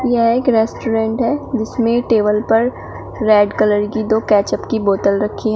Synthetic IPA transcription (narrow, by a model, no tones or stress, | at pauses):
jɐɦeːkɾɛːsʈoːɾẽːɳʈɦɛːd͡ʒɪsmẽʈeːbəlpɐɾ | ɾɛːɖkɐləɾkid̪oːkɛːt͡ʃəpkiboːt̪əlɾɐkʰːiɦɛ̃ː